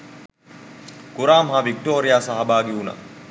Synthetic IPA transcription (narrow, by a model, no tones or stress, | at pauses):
kuɾaːmɦaʋik̚ʈoːɾijaːsaɦabaːɡeuna̰